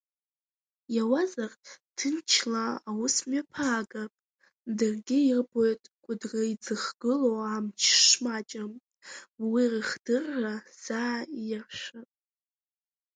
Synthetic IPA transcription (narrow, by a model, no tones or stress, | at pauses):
jawazarʼtʰɨnt͡ʃʰlaːwʊsmɥapʰaːɡapʼ | dɨrɡʲɪirbojtʼkʷʼʊdraid͡zɨχɡ̥ɨlowamt͡ʃʰʂmat͡ʃʼam | wirɨχd̥ɨrːaz̥aːjaʃʷapʼ